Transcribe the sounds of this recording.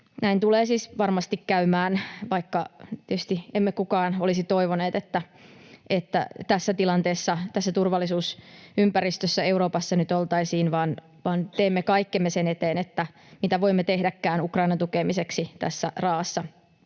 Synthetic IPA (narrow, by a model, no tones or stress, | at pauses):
næint̪uleːsiːsʋɑrmɑst̪ikkæymæːnʋɑikːɑt̪iety̥st̪iemːekukɑːnolisit̪oiʋoneːt̪et̪ːæ | ʔet̪ːæ̰t̪æsːæt̪ilɑnt̪eːsːɑt̪æsːæt̪urʋɑlːisuːsympæɾist̪øsːæeuɾoːpɑsːɑnyt̪olt̪ɑisiːnʋɑːn | ʋɑːnt̪eːmːekɑikːemːesenet̪eːnet̪ːæ | mit̪æʋoimːet̪ehdækːæːnukrɑinɑnt̪ukemiseksit̪æ̰sːærɑːɑsːɑ